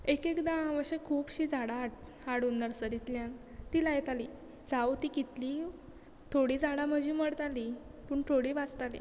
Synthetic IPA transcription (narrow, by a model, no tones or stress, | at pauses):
ekekd̪ãaʋəɕekʰuːpɕid͡zaɽaːʈ | aɽunːəɾsəɾit̪ljan | t̪ilajt̪ali | d͡zawt̪iːkit̪liː | t̪ʰoɽiːd͡zaɽam̤əd͡ʑʱiməɽt̪ali | puːɳt̪ʰoɽiːʋad͡zt̪alḭ